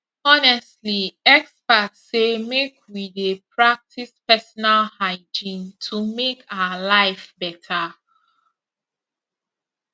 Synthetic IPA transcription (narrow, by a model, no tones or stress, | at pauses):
ɔnɛstliɛkspatsemekʰwidepʰɹak̚tʰispɛsɔnalhaɪd͡ʒĩntʰumekʰaʊalaɪfbɛtʰa